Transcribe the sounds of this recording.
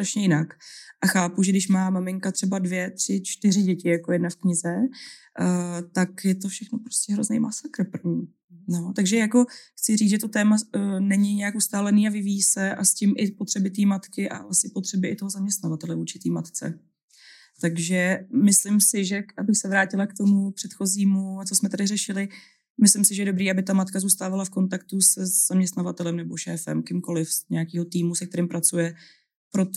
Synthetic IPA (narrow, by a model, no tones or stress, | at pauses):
st̪ɾaʃɲɛjɪnakʔaxaːpuʒɛɡdɪʃmaːmamɪŋkat̪r̥ɛbadvjɛt̪r̥ɪt͡ʃt̪ɪr̝ɪɟɛcɪjakojɛdnafkɲɪzɛ | t̪akjɛt̪ofʃɛxnopɾoscɛɦɾo̞znɛ̰jmasakɾ̩prvɲiː | not̪aɡʒɛjako̞xt͡sɪriːt͡sʒɛt̪ot̪ɛːmanɛɲɪɲɛjakust̪aːlɛniːavɪvijisɛʔascɪmʔɪpo̞t̪r̝̥ɛbɪt̪iːmat̪kɪʔa̰asɪpot̪r̝̥ɛbɪʔɪt̪o̞ɦozamɲɛst̪navat̪ɛlɛvuːt͡ʃɪt̪iːmat̪t͡sɛ̰ | t̪aɡʒɛmɪslɪmsɪʒɛʔabɪxsɛvɾaːcɪlakt̪o̞mupr̝̥ɛt̪xo̞ziːmuat͡so̞smɛt̪adɪrɛʃɪlɪ | mɪslɪmsɪʒɛjɛdobɾiːabɪt̪amat̪kazuːst̪aːvalafko̞nt̪akt̪usɛz̥amɲɛst̪navat̪ɛlɛmnɛbo̞ʃɛ̰ːfɛ̰mkɪmko̞lɪfɲɛakiːɦo̞t̪iːmusɛkt̪ɛɾɪmpɾat͡sujɛ | pɾo̞t̪